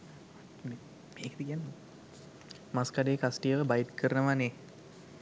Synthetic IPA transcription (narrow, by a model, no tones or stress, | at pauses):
me | meːkəd̪ikijanːo | maskaɖeːkasʈijəʋəbajit̪kʰəɾənəʋane